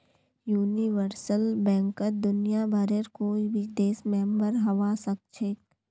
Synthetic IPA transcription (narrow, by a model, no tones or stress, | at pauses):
juːniʋəɾsəlbɛ̃ːŋkət̚d̪ʊnijabʱaɾeɾkoːibʱid̪eːsmẽmbəɾɦɐʋasək̚t͡ʃʰeːk